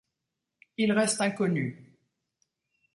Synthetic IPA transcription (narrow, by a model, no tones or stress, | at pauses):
ilʁɛst̪ɛ̃kɔny